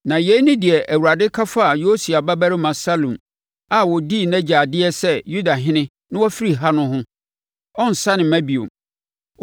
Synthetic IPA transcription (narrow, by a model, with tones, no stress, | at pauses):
nã˨je˨˦nʊ̃˦dɪ˨ɛ˨ʔæ˨wu˨ɾa˨dɪ˦kʰa˦fa˦a˨jo˦si˨a˨ba˦bæ˦ɾɪ˦mã˨sa˦lũ˨m | a˨wɔ˨di˦˨næ̃˦d͡ʑa˨dɪ˦ɛ˦sɛ˦ju˦da˨ɦɪ̃˦nɪ̃˦ | nɪ̃˦wɔ˦fi˦ɾi˨ɦa˦nʊ̃˦ɦʊ̃˦ | ɔ˦n̩˨sa˦nɪ̃˨mæ̃˦bi˨o̰˨